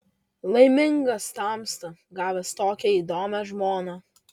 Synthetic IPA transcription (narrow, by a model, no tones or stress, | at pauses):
lˠɐɪmʲɪŋɡɐst̪ɑmst̪ɐɡɑːʋʲɛst̪oːkʲɛiːd̪oːmʲɛʒmoːnɑ